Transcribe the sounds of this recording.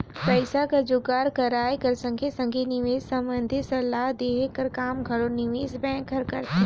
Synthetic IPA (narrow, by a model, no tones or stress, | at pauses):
pɛːsakad͡ʒʊɡaːɾkɐɾaːekɐɾsɐ̃ŋɡʱesɐ̃ŋɡʱenɪʋeːzsɐ̃mbə̃nd̪ʱɪt̪sɐlːaːɦd̪eːɦkɐɾkaːmɡʱɐɽonɪʋeːzbɛ̃ːkʰːɐɾkɐɾt̪e